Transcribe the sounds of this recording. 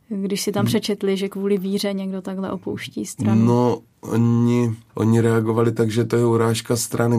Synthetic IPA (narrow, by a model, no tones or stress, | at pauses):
ɡdɪʃsɪt̪ampr̝̥ɛt͡ʃɛt̪lɪʒɛkvuːlɪviːr̝ɛɲɛɡdo̞t̪aɡɦlɛ̰ʔo̞powʃciːst̪ɾano | ʔo̰ɲɪʔo̰ɲɪɾɛaɡovalɪt̪aɡʒɛt̪ojɛuɾaːʃkast̪ɾʔanɪ